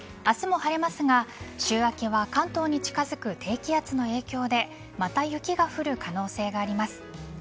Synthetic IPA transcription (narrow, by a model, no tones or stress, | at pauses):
asɨmo̞haɾe̞masɨɡaɕɨːβakʲiβakãnt̪o̞ːɲ̟it͡ɕi̥kazɨkɯ̟t̪ʰe̞ːkʲiat͡sɨno̞e̞ːkʲo̞ːd̪e̞ | mat̪ajɯ̟kʲiɡaɸɯ̟ɾɯ̟kʰano̞ːse̞ːɡaːɾʲimasɨ̥